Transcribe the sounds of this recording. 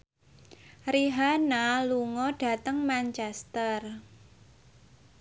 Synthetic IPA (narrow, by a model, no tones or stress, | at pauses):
riɦanaluŋɔɖ̥ä̤t̪əŋmant͡ʃɛst̪ər